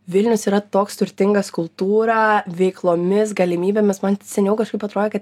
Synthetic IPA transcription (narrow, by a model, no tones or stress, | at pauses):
ʋʲɪlʲnʲʊsiːɾɐt̪oːkst̪ʊɾʲt̪ʲɪŋɡɐskʊlˠt̪uːɾɐʋʲɛɪklˠoːmʲɪs̬ɡɐlʲɪmʲiːbʲeːmʲɪsmɐnsʲɛnʲɛʊkɐʃkɐɪpɐt̪ɾoːd̪ʲeɛkɐt̪